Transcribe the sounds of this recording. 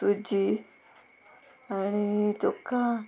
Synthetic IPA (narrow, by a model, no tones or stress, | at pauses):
ud͡ʒi | añit̪okːa